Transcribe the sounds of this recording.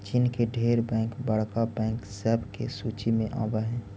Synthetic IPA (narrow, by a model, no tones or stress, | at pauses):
t͡ʃiːnkeɖʱeːɾbɛ̃ːŋkbəɽ̤kabɛ̃ːŋksɛːbkḛsuːt͡ʃimẽʔa̰ːbaɦɛ̃ː